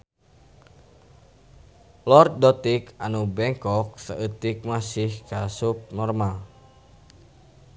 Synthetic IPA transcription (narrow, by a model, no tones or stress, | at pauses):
lɔrt̪̚dɔt̪ikanubɛŋkɔk̚saʔət̪ik̚masihkasup̚nɔrmal